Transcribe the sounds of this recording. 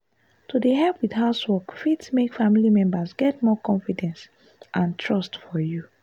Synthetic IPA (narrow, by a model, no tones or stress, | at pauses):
tʰudeɦɛlpwidɦaʊswɔkfitsmekfãmilimɛ̃mbasɡɛt̚mɔkʰɔ̃nfidɛ̃ns | ʔãntʰɹɔstfɔju